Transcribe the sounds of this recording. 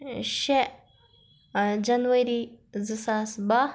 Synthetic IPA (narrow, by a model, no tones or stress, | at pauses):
ʃe | d͡ʒɐnʋɐɾizɨsaːsbɐ